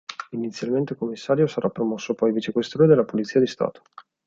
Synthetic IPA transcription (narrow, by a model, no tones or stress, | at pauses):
init̪sːjalment̪ekomːisːaːɾjosaɾʔapːɾomɔsːopɔjvit͡ʃekwest̪ɾoːned̪elːapolit̪siːad̪ist̪a̰ːt̪o̥